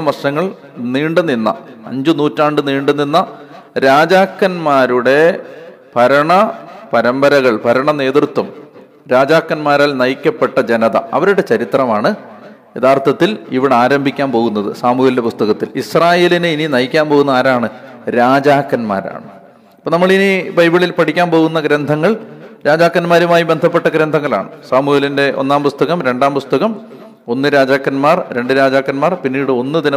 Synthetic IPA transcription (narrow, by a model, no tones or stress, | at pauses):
ɐmɐrʂɐŋːɐɭ | niːɳɖɨnːinːɐ̰ɐ̰ɲd͡ʑunuːtːaːɳɖɨniːɳɖunːinːɐɾaːd͡ʑaːkːɐnmaːɾuɽe̞ | pɐɾɐɳɐpɐɾɐmbɐɾɐɣɐɭpɐɾɐɳɐne̞ːðrɨt̪wɐm | ɾaːd͡ʑaːkːɐnmaːɾaːlnɐjkʲːɐpːe̞ʈːɐd͡ʑenɐðɐ̰ɐ̰ʋɐɾuɽe̞t͡ɕɐɾit̪rɐmaːɳɨ | eðaːrt̪ɐt̪ːiliʋiɽeaːɾɐmbʱikʲːaːnpo̞ːɣunːɐðɨsaːmuelindepust̪ɐɣɐt̪ːilisraːje̞ːlinɨininɐjikʲːaːnpo̞ɣunːɐaːɾaːɳɨɾaːd͡ʑaːkːɐnma̰ːɾa̰ːɳɨ | ɐpːoːnɐmːɐɭinibɐjbiɭilpɐʈʰikʲːaːnpo̞ːɣunːɐɡɾend̪ʱɐŋːɐɭɾaːd͡ʑaːkːɐnmaːɾumaːjibe̞nd̪ʱɐpːe̞ʈːɐɡɾend̪ʱɐŋːɐɭa̰ːɳɨsaːmuelinde̞ʔo̞̰nːaːmpust̪ɐɣɐmɾe̞ɳɖaːmpust̪ɐɣɐm | o̞nːɨɾaːd͡ʑaːkːɐnmaːrɾe̞ɳɖɨɾaːd͡ʑaːkːɐnmaːrpinːiːɽɨo̞nːɨd̪inɐ